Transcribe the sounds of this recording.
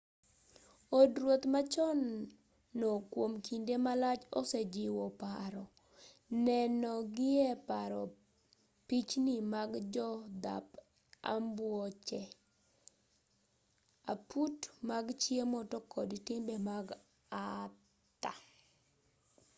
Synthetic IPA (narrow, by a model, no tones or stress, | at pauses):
odɾwot̪mat͡ʃɔnː | ɔkwomkindemalat͡ʃɔ̰sɛd͡ʒɪwɔpaɾɔ | nɛnɔɡɪɛpaɾɔ | pit͡ʃnimaɡd͡ʒɔd̪a̰p | a̰mbwɔt͡ʃɛ | a̰putmaɡt͡ʃjemɔtɔkɔdtɪmbɛmaɡ | a | t̪a̰